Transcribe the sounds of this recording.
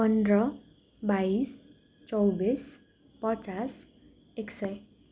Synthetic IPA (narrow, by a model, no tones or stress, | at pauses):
pʌnd̪ɾʌ | bais | t͡sʌwbis | pʌt͡sas | eksʌj